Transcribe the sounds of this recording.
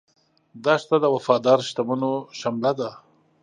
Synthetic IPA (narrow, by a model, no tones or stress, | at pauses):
d̪ɑʂt̪ad̪əwafɑd̪ɑɾʃt̪amanoʃamlad̪a